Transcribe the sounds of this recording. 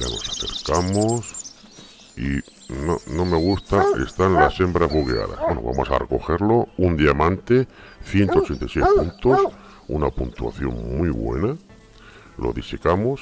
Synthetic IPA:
ano̞̰saθe̞̰ɾkamos | i | no̰no̞me̞ɣ̞ust̪ae̞̰st̪anlasːe̞mbɾazβuɣea̰ða̰zβwenoβa̰mo̞sa̰re̞ko̞xe̞ɾlo̞und̪jamãnt̪e̞ | θje̞nt̪ot͡ʃe̞nt̪ajsjespunt̪o̞s | ṵnapunt̪ua̰θjo̞̰ŋmwiβwe̞̰na | lo̞̰ðisekamos

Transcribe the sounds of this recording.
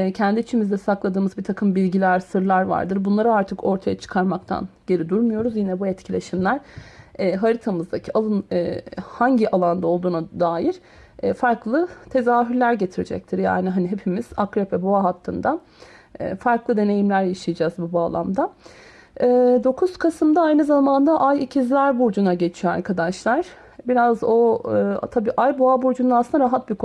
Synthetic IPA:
ɛcʰɛnd̪iːt͡ʃʰimizd̪ɛsaklˠad̪ɯːmɯzbit̪ʰakʰɯmbilʲɟilʲæɾsɯɾlˠaɾva̰ɾd̪ɯɾbunlˠaɾɯaɾt̪ʰɯko̞ɾt̪ʰajat͡ʃʰɯ̥kʰaɾmak̚t̪ʰa̰nɟ̥e̞ɾid̪uɾmujo̞ɾuzjinɛbuɛt̪cʰilʲe̞ʃimlʲæɾ̥ɛːɦaɾit̪ʰamɯzd̪acʰialˠɯnː | haɲɟiʔalˠand̪ao̞lˠd̪uːnad̪aːjiɾ̥ | ɛːfaɾklˠɯt̪ʰe̞zaːɦyɾlʲæɾɟe̞t̪ʰiɾid͡ʒɛ̰c̚t̪ʰiɾja̰ːniɦaniɦe̞pʰimiz̥akɾepʰɛboaɦat̪ʰːɯnd̪a | ɛ̰ːfaɾklˠɯd̪e̞ne̞jimlʲæɾjaʃijad͡ʒazbubaːlˠa̰md̪a | ɛːd̪o̞kʰuz̥kʰasɯmd̪aajnɯzamand̪aʔajicʰizlʲæɾbuɾd͡ʒunaɟe̞t͡ʃʰijo̞a̰ɾkʰad̪aʃlˠaɾ̥ | biɾazo̞t̪ʰabiːʔajboabuɾd͡ʒund̪asɯnd̪aɾaɦat̪̚bikʰ

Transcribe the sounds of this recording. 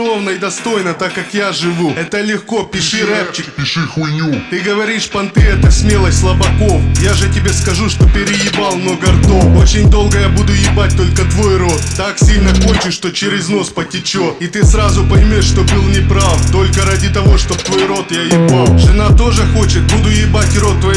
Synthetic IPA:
o̞vnəɪd̪ɐst̪o̞jnət̪akːakjaʐɨvuɛt̪əlʲɪxko̞pʲɪʂɨɾɛpt͡ɕɪ | ut̪ɨɡəvɐɾʲiʂpɐnt̪ɨɛt̪əsʲmʲe̞lˠəsʲt̪ʲlˠɐbɐko̞fjaʐɨtʲɪbʲe̞skɐʐuʂt̪o̞pʲɪɾʲɪjɪbalˠnoɡɐrt̪oo̞t͡ɕɪnʲd̪o̞lˠɡəjabud̪ʊjɪbat̚ʲt̪o̞lʲkət̪vo̞jro̞t̪ːaksʲilʲnəko̞nʲt͡ɕɪʂt̪ot͡ɕɪɾʲɪzno̞spətʲɪt͡ɕot̪it̪ɨsɾazʊpɐjɪmʲoʂʂt̪o̞bɨlˠnʲɪpɾaft̪o̞lʲkəɾadʲɪt̪ɐvo̞ʂt̪o̞p̚t̪vo̞jɾo̞t̪jajɪalˠʐɨnat̪o̞ʐɨxo̞t͡ɕɪt̪̚bud̪ʊjɪbatʲro̞t̪ːvɐ

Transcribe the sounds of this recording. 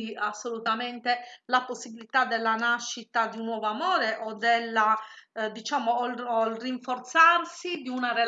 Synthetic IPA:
iasːolut̪ament̪elaposːibilit̪ad̪elːanaʃːit̪ad̪iunːwɔːvoamɔːɾeʔod̪elːad̪it͡ʃaːmollriɱfort̪sarsid̪iunare

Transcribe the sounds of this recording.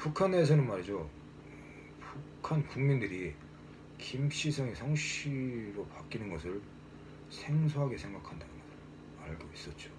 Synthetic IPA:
pukʰane̞s̬ʰʌnɯnmaɾid͡ʑo | pukʰankuŋmindɯɾi | kimɕ͈ʰisʰʌŋesʰʌŋɕiɾopak͈inɯnɡʌsʰɯɭ | sʰe̞ŋsʰoɦaɡe̞sʰeŋɡakʰandanɯnʌ | aɭɡois͈ʌt̚t͡ɕ͈o̥

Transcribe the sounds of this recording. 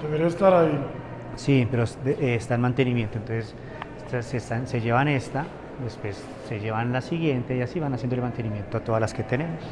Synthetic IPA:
d̪̥eβeɾiaest̪aɾai | sipe̞ɾosd̪eʔeːst̪aenmãnt̪e̞nimje̞nt̪ont̪o̞nses | asest̪anse̞d͡ʒe̞βane̞st̪a | d̪espwe̞sːe̞ʝe̞βanlasiɣje̞nt̪e̞iasiβanas̬jend̪oelmãnt̪e̞nimjent̪oat̪o̞ðalaske̞t̪e̞ne̞mos

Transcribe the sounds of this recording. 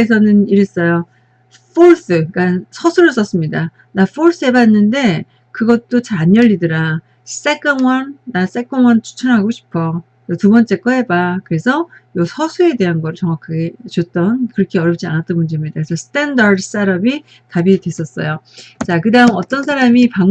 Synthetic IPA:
esʰʌnɯniɾɯs͈ʌjo | pʰoɭs͈ɯk͈asʰʌsʰuɾɯs͈ʌs͈ɯmɲida | nafʰoɭs͈ɯebanːɯnde̞ | kɯɡʌtt͈ot͡ɕaːɲjʌʎːidɯɾa | s͈e̞k͈anwʌnːas͈e̞k͈ʌŋwʌnt͡ɕʰu̥t͡ɕʰʌnɦaɡoɕʰi̥pʰʌ | jʌtubʌnt͡ɕ͈e̞k͈ʌɦe̞bakɯɾe̞sʰʌjʌsʰʌsʰue̞de̞ɦanɡʌɾɯt͡ɕʌŋwakʰaɡet͡ɕot͈ʌnkɯɾʌkʰe̞ʌɾjʌp̚t͡ɕ͈ia̰nat͈ʌnmund͡ʑe̞mɲidakɾesʰʌsʰɯ̥tʰendaɾdɯs͈aɾʌbi | tabidwe̞s͈ʌs͈ʌ̰jo | t͡ɕakɯdaɯmʌt͈ʌnsʰaɾamipaŋ

